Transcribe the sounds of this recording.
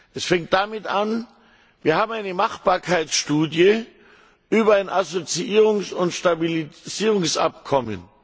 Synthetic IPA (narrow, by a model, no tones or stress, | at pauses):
ʔɛsfɛŋkt̚d̥amɪtʔan | viːɐhaːbm̩aɪnəmaχb̥aːɐkʰaɪsʃtuːdjə | ʔyːbɐaɪnʔazot͡siʔiːʁʊŋsʊntʃtabiliz̥iːʁʊŋsʔa̰pkʰɔmə̰n